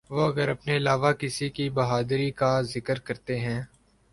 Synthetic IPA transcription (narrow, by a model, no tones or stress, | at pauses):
ʋoɐɡəɾɐpneɪlaːʋakɪsikibɐɦaːd̪ɾikazɪkəɾkɐɾt̪eɦɛ̃ː